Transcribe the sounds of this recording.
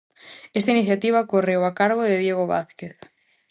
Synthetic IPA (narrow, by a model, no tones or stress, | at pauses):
est̪ainiθjat̪iβ̞akorewakaɾɣ̞oðeðjeɣ̞oβa̰θkeθ